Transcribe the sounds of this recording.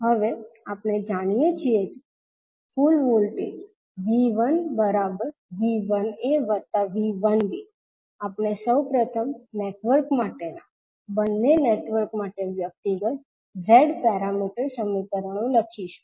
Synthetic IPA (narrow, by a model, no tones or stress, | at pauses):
ɦəʋeapned͡ʒaɽ̃ijet͡ʃʰiek̪e | fulʋolʈḛd͡ʒ | ʋiʋənbəɾabəɾʋiʋəneʋət̪aʋiʋənbi | apnesəwpɾət̪ʰəmneʈʋəɾkmaʈena | bənːeneʈʋəɾkmaʈeʋjək̚t̪iɡət̪̚ | ɾeɖpɛɾamiʈəɾsəmit̪əɾəɽ̃õləkʰiʃu̥